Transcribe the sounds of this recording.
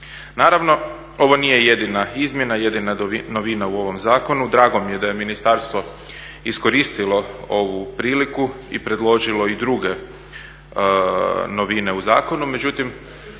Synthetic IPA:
naːɾaʋno̞ | o̞ʋo̞nije̞je̞d̪inaizmʲje̞naje̞d̪inano̞ʋinauo̞ʋo̞mzaːko̞nud̪ɾaːɡo̞mije̞d̪ajeminist̪aɾst̪ʋo̞ | isko̞ɾiːst̪ilo̞o̞ʋupɾiːliku | ḭpɾe̞d̪lˠo̞ʒilo̞id̪ɾuɡe̞ | no̞ʋine̞uza̰ːko̞nume̞d͡ʑut̪im

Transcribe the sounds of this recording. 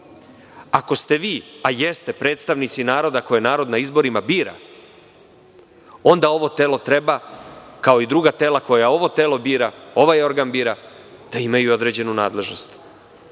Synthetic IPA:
ako̞st̪e̞ʋiːajest̪e̞pɾe̞ːt̪st̪aʋnit̪sinaːɾo̞d̪ako̞jenaːɾo̞d̪naizbo̞ɾimabiːɾa̰ | o̞nd̪ao̞ʋo̞t̪e̞ːlo̞t̪ɾe̞bakao̞id̪ɾuɡat̪e̞ːlako̞jao̞ʋo̞t̪e̞ːlo̞biːɾao̞ʋajo̞ɾɡanbiːɾa | d̪̥aimajuo̞d̪ɾe̞d͡ʑe̞nunaːd̪le̞ʒno̞st̪

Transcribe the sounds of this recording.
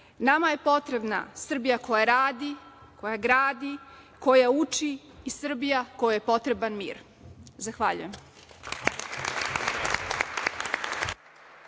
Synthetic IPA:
namaje̞po̞t̪ɾe̞bna̰sr̩bijako̞jaɾaːd̪ikʰo̞jaɡɾaːd̪i | ko̞jaut͡ʃiː | sr̩bijako̞jije̞po̞t̪ɾe̞banmḭːɾ | zaxʋaʎṵjem

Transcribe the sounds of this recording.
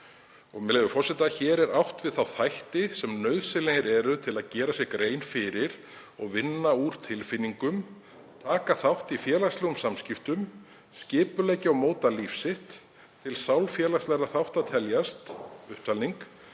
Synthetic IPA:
ɔɣmɛɣʏfɔɾ̥sɛt̪açɛːɾɛɾawht̪vɪðθawθajht̪ɪsɛmnœɥðsɪleɪɾɛːɾʏt̪ʰɪlaðcɛːɾasjɛɣkɾeːjnfɪɾɪɾ̥ | ɔɣvɪnːauɾ̥t̪ʰɪlfɪnːiŋkʏm | t̪ʰaːkaθawht̪ifjɛːlast̪lɛɣʏmsamscɪft̪ʏm | scɪːpʏlɛjcɪawmoːwt̪alifsɪht̪ʰː | ɪlsawlfjɛːlast̪lɛɾaθawht̪at̪ʰɛljast̪ʏhpt̪ʰalniŋk

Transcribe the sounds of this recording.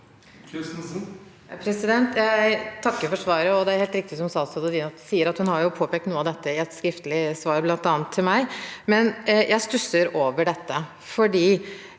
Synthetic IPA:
pʰɾɛsɪd̪ɛnt̪jæɪt̪ʰɑkːəɾfɔʂʋɑːɾəɔd̪ɛæɾheːlt̪ɾɪk̚t̪ɪsɔmsɑːsɑd̪əd̪iːnɔt̪siːəɾɑt̪hʉnhɑɾjʊpʰoːpʰɛːk̚t̪nuːəɑd̪ɛt̪ːəɪɛt̪skɾɪft̪əlɪsʋɑːɾblɑnt̪ɑːnt̪ʰːɪlmæɪmɛnjæɪst̪ʉsəɾoːʋəɖɛt̪ːə | fɔɖiː

